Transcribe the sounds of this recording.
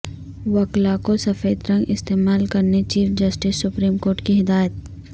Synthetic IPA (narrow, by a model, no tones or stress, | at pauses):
ʋɐklakosɐfeːd̪ɾɐ̃ŋɡɪst̪eːmaːlkɐɾnet͡ʃiːfd͡ʒɐsʈɪsːʊpɾiːmkoːɾʈkiɦɪd̪aːjət̪̚